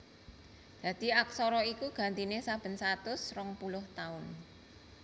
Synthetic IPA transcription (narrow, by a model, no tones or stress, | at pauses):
d̪̥ä̤d̪̥i̤ak̚sɔɾɔikuɡ̥a̤nt̪inesab̥ə̤nsat̪ʊsrɔŋpulʊht̪aʊn